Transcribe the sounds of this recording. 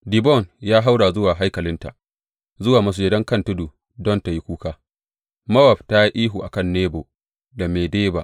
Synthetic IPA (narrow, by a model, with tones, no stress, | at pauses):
di˨bɔ˦˨njaː˦ɦa˦wɽaː˨zʊ˦waː˨ɦa˦jkɐ˨lɪ˦nta˨ʔ | zʊ˦waː˨mɐ˦s̬u˨jɛ˦dɐ˦ŋkɐ˦ntʊ˦duː˨ | dɔ˦nta˨ji˦kʷuː˦kaː˦ | mɐ˦wɐ˨bta˦ji˦ʔiː˦ɦuː˨ʔa˨kɐ˦˨nːeː˦bo˨ | da˨meː˨deː˦ba˦˨ʔ